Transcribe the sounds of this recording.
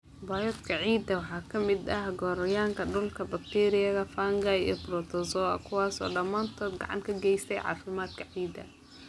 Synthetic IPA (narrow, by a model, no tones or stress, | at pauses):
baːjɔd̪kʰɐʕiːd̪ɐwɑħɑːkʰɐmɪd̪ɐhɡɔːɾɐjaːŋkʰɐɖʊlkʰɐbɐk̚t̪ʰiːɾɪjɐɣɐfaːŋɡɐjɛ̰brɔt̪ʰɔsɔːɐ̰kʰʊwɑːsɔ̰ːɖɐmaːnt̪ʰɔːd̪ɡɑ̰ʕɑ̰ŋkʰɐɡɛjst̪ʰɛjʕɑ̰ːfɪmaːd̪kʰɐʕiːd̪ɐ̰